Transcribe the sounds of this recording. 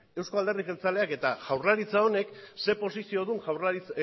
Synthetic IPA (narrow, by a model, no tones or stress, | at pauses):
e̞wsko̞ald̪e̞rðiɣe̞lt͡sale̞ake̞t̪aʝawrlaɾit͡sao̞ne̞kse̞po̞sisio̞ðunʝri